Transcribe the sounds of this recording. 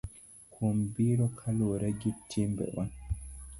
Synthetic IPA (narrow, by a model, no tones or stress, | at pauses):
kʰumbiɾɔkʰaloɾaɡitːimbɛ̰wa